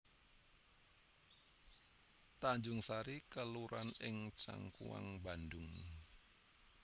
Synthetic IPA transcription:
t̪aɲd͡ʒʊŋsaɾikəluɾanɪŋt͡ʃa̰ŋkṵwa̰ŋbandʊŋ

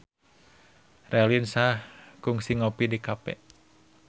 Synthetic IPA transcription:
rʔɛlinsahkuŋsiŋɔpidikapɛ̰

